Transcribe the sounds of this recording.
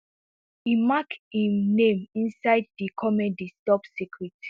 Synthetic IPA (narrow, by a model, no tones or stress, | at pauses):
imakĩmnẽmĩnsaɪddikʰɔmɛ̃ndistɔpsikɹit